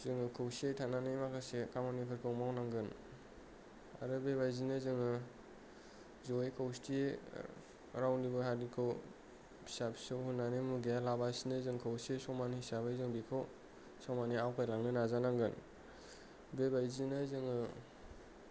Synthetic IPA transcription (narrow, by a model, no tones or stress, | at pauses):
zɯŋɯkʰɯwsetʰananejmakʰasekamanipʰɯɾkʰɯwmawnaŋɡɯn | a̰ɾɯbebajzinɯzɯŋɯ | zojkʰawstʰi | ɾawnibɯɦadikʰɯw | bisapʰsɯwhunːanemuɡijalabasinɯzɯŋkʰawsesɔmanhisabajzɯŋbikʰow | sɔmaniawkʰajlaŋnɯnazanaŋɡɯn | bebajzinɯzɯŋɯ